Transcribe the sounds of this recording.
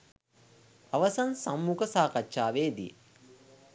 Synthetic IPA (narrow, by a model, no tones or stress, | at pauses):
aʋɐsɐnsamːukəsaːkɐtːʃaːʋeːd̪ijḛ